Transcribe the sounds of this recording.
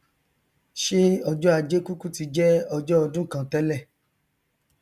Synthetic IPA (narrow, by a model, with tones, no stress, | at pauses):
ʃe˦ɔ˧d͡ʒɔ˦a˧˨d͡ʒe˦ku˦ku˦ti˧d͡ʒɛ˦ɔ˧d͡ʒɔ˦ɔ˧dũ˦kã˨tɛ˦lɛ˦˨